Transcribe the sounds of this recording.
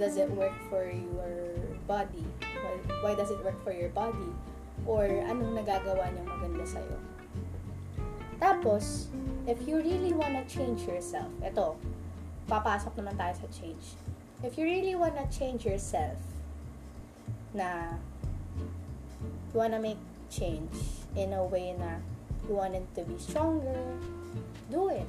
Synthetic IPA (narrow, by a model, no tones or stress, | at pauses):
d̪ɐzɪt̪̚wɛɹk̚fɔɹjɔɹbad̪iwajwajd̪ɐsɪt̪̚wɜɹk̚fɔɹjɔɹbad̪i | ʔoɹʔɐnoŋnɐɡaːɡɐwaɲɐŋʔɐɡɐnd̪ɐsɐ̰jo̰ | t̪aːposʔɪfjuɹiliwanɐt͡ʃẽɪ̃nd͡ʒjɔɹsɛ̰lfʔɛt̪o̞ | pɐpaːsok̚nɐmant̪aːjosɐt͡ʃẽjnd͡ʒ | ʔɪfjuɹiliwãnɐt͡ʃẽjnd͡ʒjɔɹsɛlf | nɐ | jʊwanɐmeɪk̚ | t͡ʃẽjnd͡ʒʔɪ̃nɐwejnɐjuwãnɛd̪̚t̪ubist̪ɹɔ̃ŋɡɛɹ | d̪uɪt̪